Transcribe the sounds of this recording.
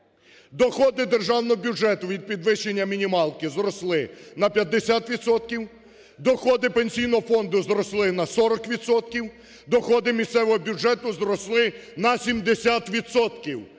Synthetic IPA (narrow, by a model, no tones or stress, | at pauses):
d̪ɔxɔd̪ɪd̪erʒɑwnɔɦɔbʲud͡ʒɛt̪ʊʋʲid̪̚pʲid̪ʋɪʃenʲːɐmʲinʲimɑlˠkɪzɾɔslˠɪnɐpʲjɐd̪ːesʲat̪ʋʲit̪sɔt̪̚kʲiw | d̪ɔxɔd̪ɪpenʲsʲijnɔɦɔfɔnd̪ʊzɾɔslˠɪnɐsɔɾɔkʋʲid̪sɔt̪̚kʲiw | d̪ɔxɔd̪ɪmʲist̪sɛʋɔɦɔbʲud͡ʒɛt̪ʊzɾɔslˠɪnɐsʲimd̪esʲat̪ʋʲid̪sɔt̪kʲiw